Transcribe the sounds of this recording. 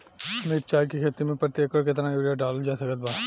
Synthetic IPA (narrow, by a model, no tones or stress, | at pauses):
ɐmiːp̚t͡ʃaːjkikʰeːt̪imẽpɾət̪jeːkɔːɾkɪt̪ɾãjuːɾjaɖaːld͡ʒaːsəkət̪̚baː